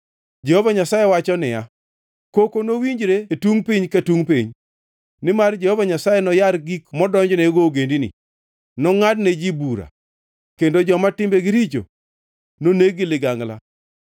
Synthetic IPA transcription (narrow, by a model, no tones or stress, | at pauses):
d͡ʒehovaɲasajewat͡ʃɔnɪja | kokonowiɲd͡ʒɾetuŋpiɲkatuŋpiɲ | nɪmard͡ʒɛhovaɲasajenɔjaɾɡikmɔdɔɲd͡ʒneɡoɡendinḭ | nɔŋadned͡ʒibuɾa̰ | kendod͡ʒɔmatɪmbeɡɪɾit͡ʃo̰ | noneɡɪlɪɡaŋla̰